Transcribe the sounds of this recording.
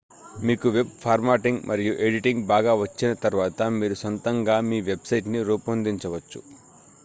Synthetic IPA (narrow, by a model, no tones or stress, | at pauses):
miːkuʋe̞b̚pʰaːɾmaːʈiŋɡmʔɐɾijuʔe̞ɖiʈiŋɡbaːɡaːʋɐt͡ʃːinɐt̪ɐɾuʋaːt̪ɐmiːɾusɐnt̪ɐŋɡaːmiːʋe̞bsɐjʈniɾuːpɐnd̪iɲt͡ʃɐʋɐt͡ʃːṵ